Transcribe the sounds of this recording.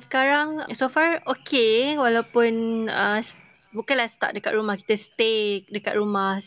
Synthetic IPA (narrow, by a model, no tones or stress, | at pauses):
sə̥kaɾaŋsofarokʰewalawpʊnəs | bukanlast̪a̰ʔ̚dəkat̪̚ɾumahki̥t̪əst̪ek̚dəkat̪̚ɾumah